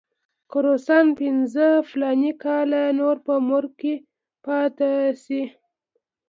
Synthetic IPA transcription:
kʊɾosɑnpɪnzəflɑnikɑlanoɾpəmʊɾke | pɑt̪asi

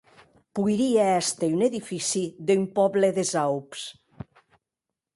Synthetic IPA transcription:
puiɾiaɛst̪eyneðifisiðympɔβleðezawps

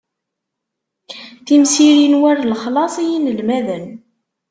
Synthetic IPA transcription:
θimsiɾinwæɾlχlɑsˤijinlmæðən

